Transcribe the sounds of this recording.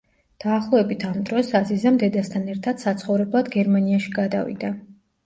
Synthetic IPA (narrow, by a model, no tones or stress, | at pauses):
d̪̥aːχlˠɔɛbit̪ʰamd̪ɾɔsazizamd̪ɛd̪ast̪ʰanɛɾt̪ʰad̪̥sat̪sʰχɔvɾɛblˠad̪ɡɛɾmaniaʃiɡad̪a̰vḭd̪a